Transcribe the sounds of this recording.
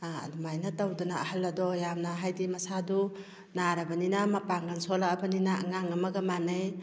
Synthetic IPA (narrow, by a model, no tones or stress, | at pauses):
aa̰dumajnatawdunaːhalːɐdɔjamnaɦajdimɐsadu | naɾabaninamapaŋɡansɔlaabanina̰ŋaŋɐmɐɡamanɯj